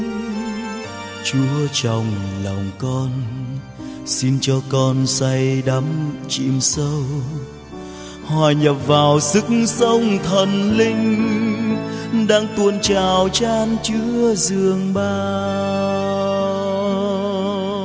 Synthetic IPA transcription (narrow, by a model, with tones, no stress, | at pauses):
t͡ɕu˨˦ət͡ɕɔ˨˩wŋ͡mlɔ˨˩wŋ͡mkɔ˧n | si˧nt͡ɕɔ˧kɔ˧nsa˧jɗa˨˦mt͡ɕḭ˧˨əmsə˧w | haː˨˩ɲə˨˩p̚vaː˨˩wsɨ˨˦˥k̚ŋsə˧wŋ͡mt̪ʰə˨˩nlï˧ŋ̟ | ɗaː˧ŋt̪u˧˩ənt͡ɕaː˨˩wt͡ɕaː˧nt͡ɕɨ˧˦əəzɨ˨˩əŋɓaː˧ | w